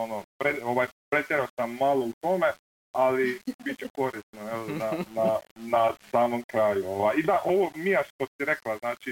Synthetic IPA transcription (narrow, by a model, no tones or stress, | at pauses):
onopɾeo̞ʋajpɾet̪ʲjeɾaosamːaːlˠout̪ome | alibitt͡ʃeko̞ɾisnoelnananasaːmomkɾaːjuoʋajid̪aʔoʋomijaʃt̪osiɾeklˠaznaːt͡ʃi